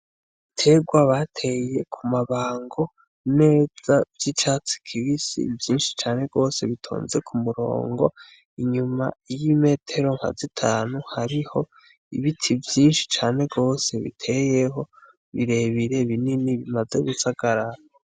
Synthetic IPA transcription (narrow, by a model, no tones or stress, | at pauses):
tʰe̞ːɡwaβatʰe̞je̞kʰumaβaːŋɡo̞ | ne̞ːz̥avj̥it͡ʃaːt͡si̥kʰiβisḭvjiːnʃi̥t͡ʃaːne̞ɡo̞ːse̞βitʰo̰ːnze̞kʰumuɾo̰ːŋɡo̞̰ | iɲuma̰jime̞tʰe̞ɾo̞ŋha̰zitʰaːnuhaɾiho̞ | ḭβitʰivjiːnʃi̥t͡ʃaːne̞ɡo̞ːse̞βḭtʰe̞je̞ɦo̞ | βiɾe̞βiɾe̞βininiβimaze̞ɡusaɡ̥aɾa